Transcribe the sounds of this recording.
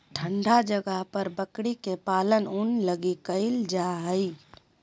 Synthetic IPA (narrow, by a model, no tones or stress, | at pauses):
ʈʰəɳɖad͡ʒəɡəɦpəɾbəkɽikepaːlənunləɡikəɪld͡ʒaɦəi